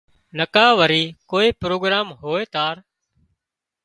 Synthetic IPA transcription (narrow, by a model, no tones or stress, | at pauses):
nəkaːʋəɾiːkoːiːpɾoːɡɾaːmɦoːeːt̪aːɾ